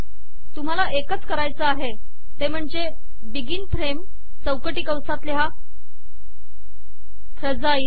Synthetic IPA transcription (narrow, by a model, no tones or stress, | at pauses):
t̪um̤alaʔekət͡skəɾajt͡səaɦe | t̪em̤əɳd͡ze | biɡiːnfɾem | səwkəʈiːkəwsat̪ljɦa | fʰɾəd͡zai